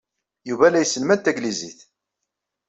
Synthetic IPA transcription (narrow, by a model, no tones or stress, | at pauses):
juvælæjsːəlmænt̪æɡliziθ